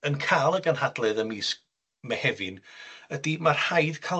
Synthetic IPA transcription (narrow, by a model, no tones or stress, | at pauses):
ənkʰaːlˠəɡanhadlˠɨðəmiːsk̚ | mɛhɛvɨnədimarhajðkʰa